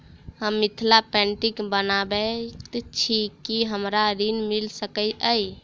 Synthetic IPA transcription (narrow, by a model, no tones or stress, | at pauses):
həmːit̪ʰlapɛɳʈikbənabet̪t͡ʃʰikːiɦəmɾaɾinmilsəkəəj